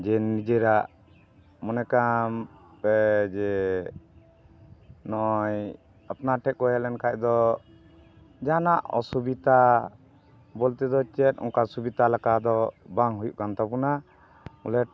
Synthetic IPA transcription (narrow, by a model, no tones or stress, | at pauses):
d͡ʒɛnːid͡ʒɛɾaʔ | mɔnɛkam | pɛd͡ʒɛ | nɔj | apnaʈʰɛk̚kɔjɛlɛnkaʔd̪ɔ | d͡ʒanaʔɔ̰subit̪a | bɔlt̪ɛd̪ɔt͡ʃɛt̪̚ɔ̰ŋkasubit̪alakad̪ɔbaŋɦujuʔkant̪apuna | mulɛt̚